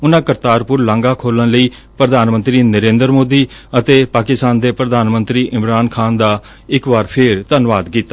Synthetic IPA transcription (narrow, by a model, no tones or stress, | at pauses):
ʊnãːkəɾt̪aːɾpʊɾlãːŋɡaːkʰoːlənləiː | pɾəd̪ʱaːnmə̃nt̪ɾiːnəɾẽːnd̪əɾmoːd̪iːət̪eːpaːkɪst̪aːnd̪eːpɾəd̪aːnmə̃nt̪ɾiːʔɪmɾaːnkʰaːnd̪aː | ɪkʋaːɾpʰɪɾt̪ənʋaːd̪kiːt̪ːa